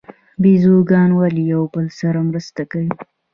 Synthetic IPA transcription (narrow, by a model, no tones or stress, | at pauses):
bizuɡɑnwalijawbəlsaɾamɾəst̪akawi